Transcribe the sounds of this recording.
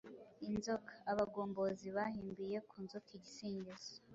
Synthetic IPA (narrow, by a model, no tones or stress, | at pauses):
inzokʰḁaβaɡoːmbo̞ziβahiːmbije̞kuːnzokiɟisiːɲɟez̥o